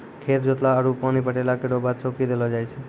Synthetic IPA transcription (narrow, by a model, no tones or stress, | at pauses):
kʰeɾd͡ʒot̪laəɾupanipəʈelakeɖobat̪̚t͡ʃokid̪elɔd͡ʒajt͡ʃʰe